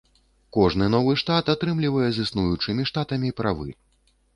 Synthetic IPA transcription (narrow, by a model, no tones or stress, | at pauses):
kɔʐnɨnɔvɨʂt̪at̪at̪ɾɨmlʲivɐjɛzʲɨsnujut͡ʂɨmʲiʂt̪at̪ɐmʲipɾavɨ̰